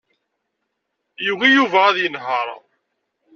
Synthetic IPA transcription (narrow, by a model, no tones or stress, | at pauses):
juwijuvææðjənɦɑɾ̰ˤ